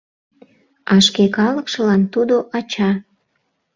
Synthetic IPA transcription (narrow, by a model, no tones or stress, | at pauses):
ɑʃkekɑləkʃə̆lɑnt̪ud̪oʔɑt͡ɕɑ